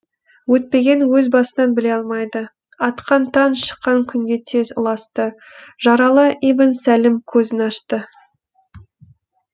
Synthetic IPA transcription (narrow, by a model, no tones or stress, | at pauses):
wɵt̪̚pe̞ɡʲe̞nwɵzbɑsənɑnbɪle̞ɑlˠmɑjd̪ə | ɑt̪qɑnt̪ʰɑnʃə̥qːɑŋkʲʰʏŋɡʲe̞t̪ʰe̞zʊlˠɑst̪ə | ʒ̥ɑɾɑlˠəʔibənsælɪmkʲʰɵzɪnɑʃt̪ə